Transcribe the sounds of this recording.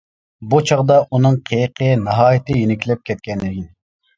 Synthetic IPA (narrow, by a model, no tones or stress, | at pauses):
but͡ʃʰɑʁd̪ɑʔunɨŋqʰejqʰənɑɦɑːjɪt̪ʰɪjenɪkʲlɛp̚kʲʰɛt̪̚kʲɛnlɪɡʲin